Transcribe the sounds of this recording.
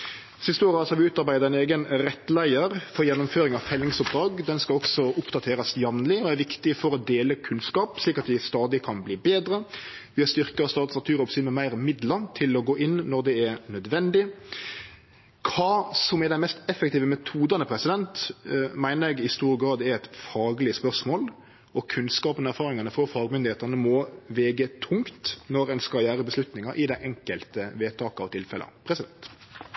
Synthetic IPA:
sɪst̪əoːɾəɑlshɑlʋɪʉːt̪ɑɾbæɪd̪ɑæɪneːɡənɾɛt̪ːlæɪəɾfɔɾjɛnːʊmføːɾɪŋɑʋfɛlːɪŋsʊp̚d̪ɾɑːɡd̪ɛnskɑlɔksɔʊpd̪ɑt̪ʰeːɾɑsjɑʋnlɪɔæɾʋɪkt̪ɪfɔɾɔd̪eːləkʰʉnskɑːpsliːkɑt̪d̪ɪst̪ɑːd̪ɪkʰɑnbliːbeːd̪ɾəʋɪɑst̪ʏʁkəɑst̪ɑːt̪snɑt̪ʰʉːɾɔpsiːd̪mɛmæɪʁmɪd̪lət̪ʰɪlɔɡoːʔɪnːɔɾd̪ɛɛɾnœd̪ʋɛnd̪ɪ | kʰɑːsɔmɛɾd̪æɛnmɛst̪ɛfɛk̚t̪iːʋəmɛt̪ʰuːd̪ɑnəpʰɾɛsɪd̪ɛnt̪mæɪnəɾɛɡɪst̪uːɾɡɾɑːd̪ɛɾɛt̪fɑːɡlɪəspœʁsmoːl | ɔkʰʉnskɑːpənæɾfɑːɾɪŋɑnəfɾɔfɑːɡmʏnd̪ɪheːt̪ənəmɔʋɛːɡət̪ʰʊŋkt̪nɔɾɛnskɑjæːɾəbəslʉt̪nɪŋɑʔɪd̪æɪʔɛŋkəlt̪əʋeːt̪ʰɑːkəɑʋt̪ʰɪlfɛlʔɑ̰npʰɾɛsɪd̪ɛnt̪

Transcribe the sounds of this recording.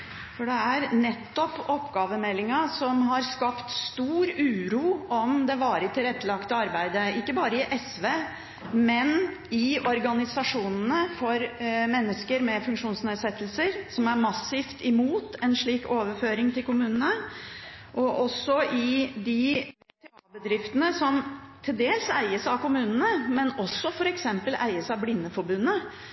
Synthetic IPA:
fɔɖɛæɾnɛt̪ːɔpɔpːɡɑːʋəmɛlːɪŋɑsɔmɦɑɾskɑpt̪st̪uːɾʉːɾuːɔmd̪ɛʋɑːɾət̪ʰɪlɾɛt̪ːəlɑkt̪əɑɾbæɪd̪əɪkːəbɑːɾəɪʔɛsʋeː | mɛnɪɔɾɡɑnɪsɑʂuːnənəfɔɾmɛnːəskəɾmɛfʉŋkʂuːnsneːd̪sɛt̪ːəlsəɾsɔmæɾmɑsːɪft̪ɪmuːt̪ɛnʂɭiːkoːʋəɾføːɾɪŋt̪ʰɪlkʊmʉːnənə | ʔɔʔɔsːɔʔɪd̪ɪ | t̪ʰɛɑːbəd̪ɾɪft̪ənəsɔmt̪ʰɪld̪eːlsæɪəsɑʋkʊmʉːnənəmɛnɔsːɔfɔɾɛksɛmpəlæ̰ɪəsæɑblɪnːəfɔɾbʉnːə

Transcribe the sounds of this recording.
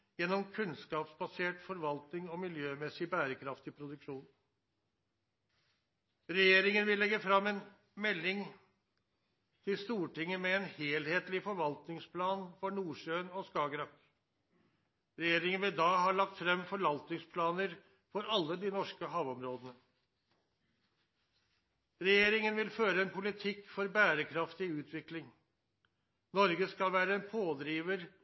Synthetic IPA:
jɛnːɔmkʰʉnskɑːpsbɑseːʈfɔɾʋɑlt̪nɪŋɔmɪljøːmɛsːɪbæːɾəkʰɾɑft̪ɪpʰɾʊd̪ʉkʂuːn | ɾɛjeːɾɪŋənʋɪlːɛɡːəfɾɑmːɛn | mɛlːɪŋ | t̪ʰɪlst̪uːʈɪŋːəmɛɛnheːlheːt̪lɪfɔɾʋɑlt̪nɪŋspʰlɑːnfɔɳuːʂøːnɔskɑːɡɾɑk | ɾɛjeːɾɪŋənʋɪd̪ɑːɦɑɭɑk̚t̪fɾɛmːfɔɭɑlt̪nɪŋspʰlɑːnəɾ | fɔɾɑlːəd̪ɪnɔʂkəɦɑːʋɔmɾoːd̪ənə | ɾɛjeːɾɪŋənʋɪlføːɾəɛnpʰʊlɪt̪ʰɪkːfɔɾbæːɾəkʰɾɑft̪ɪʉːt̪ʰʋɪklɪŋ | nɔɾɡəskɑlʋæːɾəɛnpʰoːd̪ɾiːʋəɾ

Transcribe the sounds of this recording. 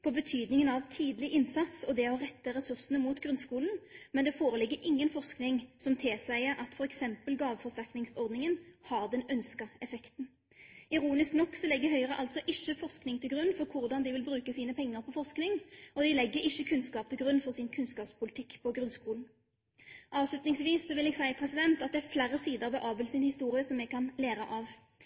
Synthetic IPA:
pʰɔbət̪ʰyːd̪nɪŋənɑʋt̪ʰiːd̪lɪʔɪnsɑt̪sɔd̪ɛɔʁɛt̪ːəɾɛsʉʁsnəmuːt̪ɡʁʉnskuːln̩mɛnd̪ɛfoːɾəlɪɡːəɾʔɪŋːənfɔʁsknɪŋsɔmt̪ʰɪsæɪəɾʔɑt̪fɔʁɛksɛmpəlɡɑːʋəfɔʁst̪æʁknɪŋsɔʁd̪nɪŋənhɑʁd̪ɛnœnskəɛfɛkt̪n̩ | ɪɾuːnɪsknɔkːsɔlɛɡːəɦœʏəɾəʔɑlt̪sɔʔɪʃːəfɔʁsknɪŋt̪ʰɪlɡʁʉnːfɔʁkʰʊʁd̪ɑnd̪ɪʋɪlbɾʉːkəsiːnəpʰɛŋːəɾpʰɔfɔʁʂknɪŋɔd̪ɪlɛɡːəɪçːəkʰʉnskɑːp̚t̪ʰɪlɡɾʉnːfɔʁsɪnkʰʉnskɑːpspʰʊlɪt̪ʰɪkːpʰɔɡɾʉnskuːln̩ | ʔɑːʋslʉt̪nɪŋsʋiːssɔʋɪlɛɡsæɪpʰɾɛsɪd̪ɛnt̪ɑt̪̚d̪ɛæɾflæɾːəsiːd̪əʁʋɛʔɑːbəlsɪnhɪst̪uːɾɪəsɔmːɛɡkʰɑnleːɾəʔɑʋ

